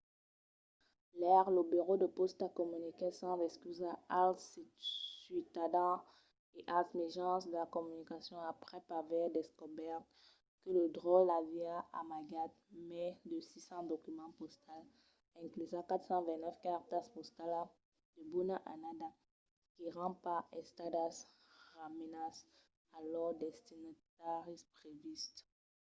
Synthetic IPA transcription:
lɛʁlobeʁod̪əpɔst̪akɔmynikɛsɑ̃zɛskyzaalsisɥit̪ad̪ɑ̃ | eʔalsmɛʒɑ̃sd̪əlakɔmynikasjɔ̃apχɛpavɛd̪ɛskɔbɛʁt̪ | kələd̪ʁɔlaviaa̰maɡat̪̚mɛd̪əsisɑ̃d̪okymɑ̃pɔst̪al | ɛ̃klyzãkat̪χsɑ̃vɛ̃tnɛfkaʁt̪aspɔst̪ala | d̪̥əbunaʔanad̪a | kiʁɑ̃paɛ̃st̪ad̪as | ʁamenas | alɔʁd̪ɛst̪inat̪aʁispʁevist̪

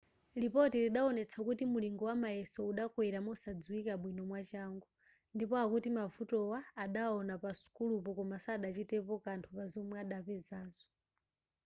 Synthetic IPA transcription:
lipɔtɛliɗaɔnɛt͡sʰakutimuliŋɡɔwamajɛsɔuɗakwɛɾamɔsad͡zuwikaɓwinɔmwat͡ʃaŋɡu | ndipɔakutimavutɔwaːɗaɔnapasu̥kulupɔkɔmasaɗat͡ʃitɛpɔkantʰupazɔmwaɗapɛzaːzɔ̥

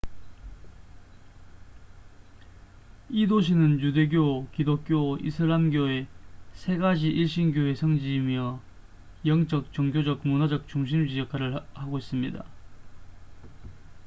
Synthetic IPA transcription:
idoɕ̬ʰinɯnjude̞ɡjokidok̚k͈joḭsʰɯɾamɡjoe̞sʰe̞ɡad͡ʑiʔiɭɕ͈inɡjoe̞sʰʌŋd͡ʑiːmiʌ | jʌŋt͡ɕ͈ʌk̚t͡ɕʌŋɡjod͡ʑʌk̚munad͡ʑʌk̚t͡ɕ͈uŋɕ̬ʰimd͡ʑid͡ʑʌkʰaɾɯɭhaɡois͈ɯmɲida̰

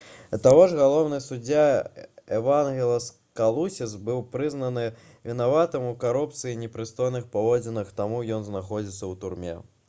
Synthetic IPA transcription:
t̪avɔʐɣalˠɔwnɨjsud͡zʲaɛvanɣʲɛlʲˠɐs | kalˠusʲisbɨwpɾɨznɐnɨ | vʲinavat̪ɨmukaɾup̚t̪sɨjinʲɛpɾɨst̪ɔjnɨxpavɔd͡zʲɪnɨxt̪amujɔnznaxɔd͡zʲit̪sːɐwt̪urmʲɛ̰

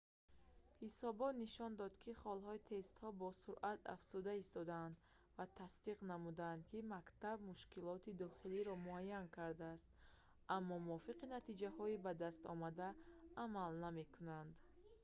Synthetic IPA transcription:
hisɔbɔt̪niʃɔnd̪ɔd̪kʰiχɔlhɔit̪ʰe̞st̪hɔbɔsuɾʔat̪a̰fz̥ud̪aist̪ɔd̪and̪ | vat̪ʰasd̪iqnamud̪and̪kʰimakt̪abmuʃkilɔt̪ʰid̪ɔχiliɾɔmuajːankʰaɾd̪aːst̪ | ʔamːɔmuɔfiqinat̪id͡ʒahɔibad̪ast̪ɔ̰mad̪aːmalname̞kʰunand̪

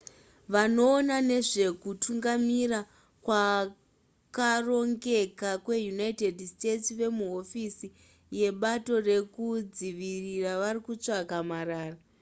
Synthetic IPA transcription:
ʋano̞ːnane̞ʐe̞kutʰuŋɡamira | kwa | karo̞ŋɡe̞kakwe̞junaite̞dste̞tsʋe̞muɦo̞fisi | je̞ɓato̞re̞kud͡ziʋiriraʋarikut͡ʂakamaɾaːra

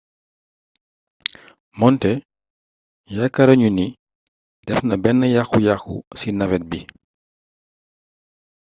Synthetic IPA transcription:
mɔntɛ | jakːɐɾɐɲuni | dɛfnɐbɛnːəjaxujaxṵsinɐvɛt̚bi

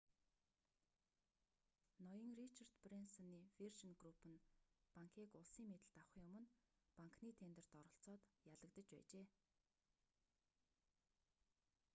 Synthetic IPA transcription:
nɔjə̆ŋrit͡ɕʰar̥t̪prensɔniːfirʃənɡrupʰɘ̆npaŋkʰiːkʊɮsiːŋmet̪ɘ̆ɬt̪awχjʊmɵ̆npaŋkniːt̪ʰent̪ə̆rt̪ɔɾɞ̆ɬt͡sɔːt̪jaɮə̆k̚t̪ə̆t͡ɕpæ̰ːt͡ɕeː

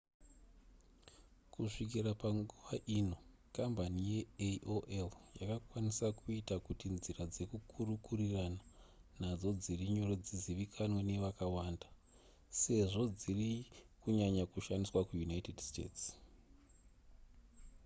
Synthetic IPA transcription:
kuʂik̬irapaŋɡuʋaʔino̞ | kambanije̞ʔoʔeljakakwanisakuitakutinzirad͡ze̞kukʰurukurirananad͡zo̞d͡ziriɲo̞ɾo̞d͡ziziʋikʰanwene̞ʋakawaːnda | se̞ʐo̞d͡zirikuɲaɲakuʃandiswakujunaitedstḛːts

